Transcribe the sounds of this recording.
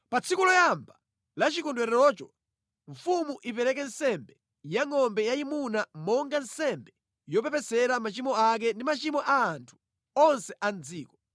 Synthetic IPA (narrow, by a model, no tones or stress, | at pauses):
pat͡sʰikulɔjamba | lat͡ʃikundwɛɾɛɾɔt͡ʃɔ | ɱfumuʔipɛɾɛk̬ɛnsɛmbɛ | jaŋɔmbɛjaimunamɔŋɡansɛmbɛ | jɔpɛpɛsɛɾamat͡ʃimɔak̬ɛndimat͡ʃimɔʔaːntʰu̥ | ɔnsɛʔand͡ziːkɔ̥